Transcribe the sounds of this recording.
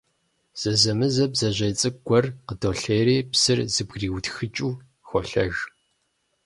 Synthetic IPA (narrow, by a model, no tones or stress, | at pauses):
z̥ɐzɐmɨzɐbzɐʑɐjt͡sʼɨɡʷɔrqədoːɬeːɾiːpsɨrzɨbɡriːwtxɨt͡ʃʼuː | xʷɔɬɐʒ